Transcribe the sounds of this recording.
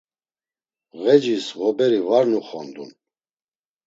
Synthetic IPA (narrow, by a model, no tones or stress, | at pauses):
ɣɛd͡ʒisʁɔbɛɾivaɾnuχɔnd̪ṵn